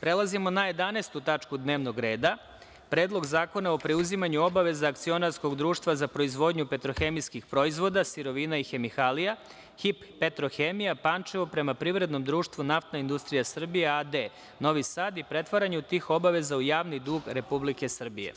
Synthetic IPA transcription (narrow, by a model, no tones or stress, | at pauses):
pɾe̞lˠazimo̞najed̪anest̪ut̪at͡ʃkud̪neːʋno̞ɡɾe̞ːd̪a | pɾeːd̪lˠo̞ɡzaːko̞nao̞pɾeuzimaɲuo̞baʋe̞zaːkt̪sio̞naɾsko̞ɡd̪ɾuːʃt̪ʋazapɾo̞izʋo̞d̪ɲupe̞t̪ɾoxe̞miskixpɾo̞izʋo̞d̪asiɾo̞ʋiːnaixe̞mixalija | xipːe̞t̪ɾo̞xemijapant͡ʃeʋopɾe̞mapɾiʋɾe̞d̪no̞md̪ɾuːʃt̪ʋunaft̪naind̪ust̪ɾijasr̩bijead̪e | no̞ʋisaːd̪ipɾe̞t̪ʋaɾaɲut̪iːxo̞baʋe̞zaujaːʋnid̪uːɡɾe̞publike̞sr̩bije̞̰